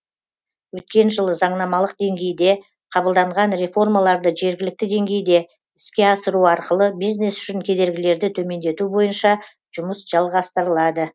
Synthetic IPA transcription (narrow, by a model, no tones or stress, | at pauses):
wɵt̪̚kʲe̞nʒəlˠəzɑɴnɑmɑlˠəqd̪e̞ŋɡʲe̞jd̪e̞ | qʰɑbəlˠd̪ɑɴʁɑnɾe̞fo̞rmɑlˠɑɾd̪əʒe̞ɾɡʲɪlɪk̚t̪ɪd̪e̞ŋɡʲe̞jd̪e̞ | ɪskʲe̞ɑsəɾuɑɾqəlˠəbijzne̞sʏ̥ʃɪŋkʲʰe̞d̪e̞ɾɡʲɪle̞ɾd̪ɪt̪ʰɵme̞nd̪e̞t̪ubo̞jənʃɑ | ʒ̥ʊməsʒ̥ɑlˠʁɑst̪əɾəlˠɑd̪ə